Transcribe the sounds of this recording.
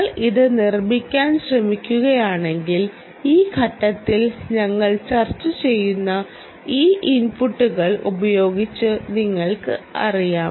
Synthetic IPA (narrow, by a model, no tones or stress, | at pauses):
ɭiðɨnirmikʲːaːnɕrɐmikʲːuɣɐjaːɳe̞ŋɡil | iːɡʰʱɐʈːɐt̪ːilɲɐŋːɐɭt͡ɕɐrt͡ɕːɨt͡ɕe̞jːunːɐ | iːʔinpuʈːuɣɐɭṵbɐjo̞ːɡit͡ɕːɨniŋːɐɭkɨ̰ɐ̰rijaː